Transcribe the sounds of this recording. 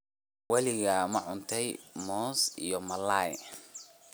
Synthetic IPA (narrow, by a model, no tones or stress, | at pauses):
wɛlɪɣɐmɐʕʊnt̪ʰɛjmɔːsḭjɔmɐlaːj